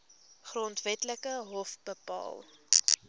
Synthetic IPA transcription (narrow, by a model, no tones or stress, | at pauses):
χrɔntvɛtləkəɦɔfbəpɑ̰ːl